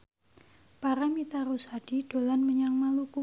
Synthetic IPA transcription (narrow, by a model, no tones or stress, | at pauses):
paɾamit̪aɾoshad̥iɖ̥o̤lanməɲaŋmaluku